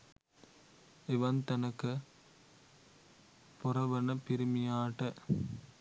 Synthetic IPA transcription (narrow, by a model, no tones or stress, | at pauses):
ɪʋɐnt̪ɐnɐkːɯ | pʊrɐʋɐnɐpɪɾɯmɪjaːʈːɐ